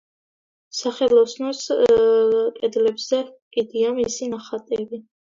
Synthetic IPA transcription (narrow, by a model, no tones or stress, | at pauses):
saχɛlˠɔsnɔs | kʼɛd̪lɛbz̥ɛkʼid̪iamisinaχat̪ʼɛbi